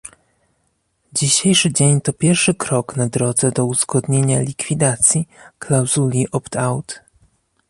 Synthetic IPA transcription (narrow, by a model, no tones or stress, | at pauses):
d͡ʑiɕejʂɘd͡ʑeɲt̪ɔpʲjɛɾfʂɘkɾɔknad̪ɾɔd̪zɛd̪ɔuz̥ɡɔd̪ɲeɲalʲikfʲid̪at̪sʲjiklawzulʲiʔɔpt̪ʰawt̪